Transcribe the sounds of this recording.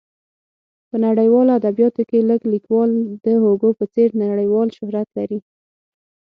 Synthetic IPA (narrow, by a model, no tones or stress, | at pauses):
pənaɽəjwɑload̪abjɑt̪okeləɡlikwɑld̪əɦoɡopət͡seɾnaɽəjwɑlʃʊhɾat̪laɾi